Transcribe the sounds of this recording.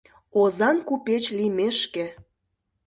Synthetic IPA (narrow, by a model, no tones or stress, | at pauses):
ozɑnkupet͡ɕlimeʃkĕ